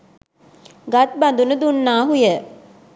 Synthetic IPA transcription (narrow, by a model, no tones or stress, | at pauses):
ɡat̪̚band̪unəd̪unːaːɦujə